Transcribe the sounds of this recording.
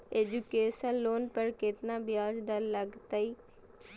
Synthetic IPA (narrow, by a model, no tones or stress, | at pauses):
eːd͡ʒukeːʃənloːnpəɾkɪt̪nãːbɪjaːd͡ʒd̪aːləɡt̪aːiː